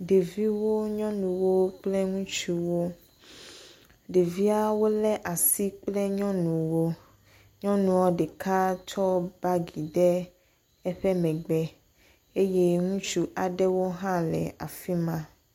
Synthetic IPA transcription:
ɖe˨vi˦wo˦ɲɔ̃˦nũ˨wo˦k͡plɛ˦ŋũ˦t͡ʃu˦wo˦ | ɖe˨vi˦a˦wo˦lɛ˦ʔa˨si˦k͡plɛ˦ɲɔ̃˦nũ˨wo˦ | ɲɔ̃˦nũ˨wɔ˦ɖe˨kʰa˦t͡ʃɔ˦ba˦ɡi˨ɖɛ˦ | ɛ˦ɸɛ˦mɛ̃˨ɡ͡bɛ˦ | e˦je˦ŋũ˦t͡ʃu˦ʔa˨ɖɛ˦wo˦ɦã˦lɛ̰˨a̰˨fi˦mã˦

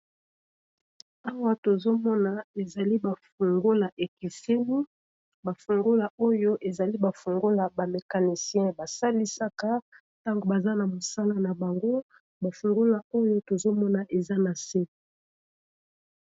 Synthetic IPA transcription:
a˦wa˦to˨zo˦mɔ˦na˨e˨za˨li˦ba˨fu˨ŋɡo˦la˨ʔe˨ki˨se˦mi˦ | ba˨fu˨ŋɡo˦la˨o˦jo˦ʔe˨za˨li˦ba˨fu˨ŋɡo˦la˨ba˨me˨ka˨ni˨sjɛ̃˦ba˨sa˦li˦sa˦ka˦ | ta˦ŋɡo˨ba˨za˦na˨mo˨sa˦la˦na˨ba˨ŋɡo˦ | ba˨fu˨ŋɡo˦la˨o˦jo˦to˨zo˦mɔ˦na˨ʔe˨za˦na˨se˦˨

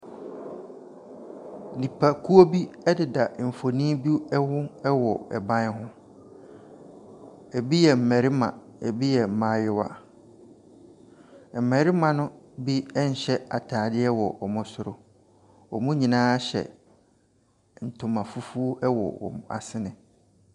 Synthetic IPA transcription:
nĩ˨pʰa˨kʰu˦o˦bi˦ɛ˦dɪ˨da˨m̩˨fo˨nĩ˦bi˦ɛ˦wʊ̃˦ɛ˦wɔ˨ɛ̰˨bã˦n˦hʊ̃˦ | ɛ˨bi˦jɛ˨m̩˨mɛ̃˨ɾi˦mã̰˨ɛ˨bi˦jɛ˨m̩˨mã˦jɪ˦wa̰˨ | m̩˨mɛ̃˨ɾi˦mã˨nʊ̃˦ | bi˦ɛ˦ɲ̩˨ɕɛ˦a̰˨tʰaː˨dɪ˦ɛ˦wɔ˨ʔɔ˨mʊ̃˦sʊ˦ɾʊ˦ | ɔ̰˨mʊ̃˦ɲĩ˨nãː˦ɕɛ̰˨ | n̩˨tʰʊ̃˨mã˨fu˦fu˦o˦ʔɛ˦wɔ̰˨wɔ̰˨ma̰˨sɪ˦nɪ̃˨

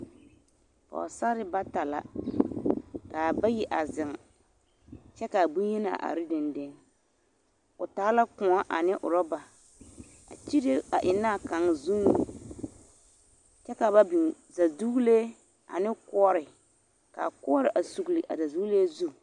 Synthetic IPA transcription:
pa̰˨a̰˨sa˦ɾɪ˦ba˦ta˨la̰˨ | ka˨ba˦ji˦ʔa˨zɪ˨ŋ | t͡ʃɛ˦ka˨bu˦jɛ˦na̰˨ʔa̰˨ɾɪ˦dɪ˨ndɪ˦ŋ | ʊ˨taː˨˦la˦kʊ˨a˦ʔa˨nɪ˦ʔʊ̰˨ɾɔ˦ba˨ | a̰˨t͡ʃi˦ɾe˦a˨ʔɪ˨naː˦˨ka˨˦ŋ˨zu˦nu˨ | t͡ʃɛ˦ka˨ba˦bi˨ | za˨zdu˦le˦ | a̰˨nɪ˦kɔ˦ɔ˦ɾɪ˨ | ka̰˨kʊ˦ɔ˦ɾɪ˨ʔa˨su˨ɡli˨ʔa̰˨za˨zu˦leː˦zu˦

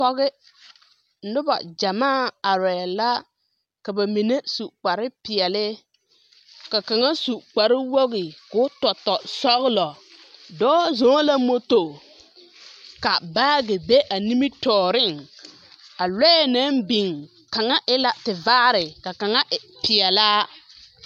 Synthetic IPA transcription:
pɔ˦ɣɪ˦ | nʊ˦ba̰˨d͡ʒa˨maː˦˨a˨ɾɛ˨la˦ | ka˨ba˨mi˨ne˦su˨k͡pa˨ɾɪ˦pɪ˨ɛ˨lɪ˦ | ka˨ka˨ŋa˦su˨k͡pa˨ɾɪ˦wo˦ɣɪ˨kʊ˨˦tɔ˨tɔ˨sɔ˦ɣɪ˦lɔ˨ | dɔː˦zɔ̃ː˦la˦mo˦to˨ | ka˨baː˦ɡɪ˨be˦ʔa˨ni˦mi˦tɔː˨ɾɪ˦˨ŋ | a˨lɛ˦˨na˦nbi˨ŋ | ka˨ŋa˦ʔɪ˦la˦tɪ˨vaː˦ɾɪ˨ka˨ka˨ŋa˦ʔɪ˨pɪ˨ɛ˨laː˦

